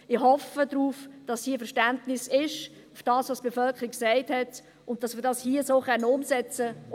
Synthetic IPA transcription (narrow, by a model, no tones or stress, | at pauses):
ɪχhɔfədɾuːfd̥ɑsiːəfɛɾʃtæntnɪsɪʃ | ufd̥ɑːsʋosb̥efœlkχəɾiksɛɪthɛt | ʊnt̚tɑsmɪːdɑshiəsoːχœnːəʊmsɛt͡sə